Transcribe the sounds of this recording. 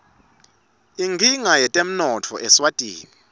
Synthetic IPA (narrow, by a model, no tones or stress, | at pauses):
iŋɡʱiŋajɛtʼem̩nɔtʰɔʔɛswatʼḭːni